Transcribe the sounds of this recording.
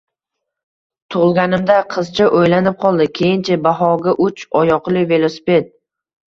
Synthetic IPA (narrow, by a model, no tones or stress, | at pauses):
t̪ʰʊʁlˠɡʲanɪmd̪aqʰɨzt͡ʃʰaʔojlanɪp̚qʰɒlˠd̪ɪkʲʰejɪnt͡ʃʰabaɦɒɡʲaʔʊt͡ʃɒjɒqlˠɪve̞lˠosɪ̥pe̞t̪̚